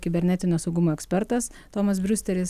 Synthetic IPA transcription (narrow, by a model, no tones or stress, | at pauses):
kʲɪbʲɛɾʲnʲɛt̪ʲɪnʲoːsɐʊɡʊmoːɛksʲpʲɛɾt̪ɐs | t̪oːmɐsbʲɾʲʊsʲt̪ʲɛɾʲɪs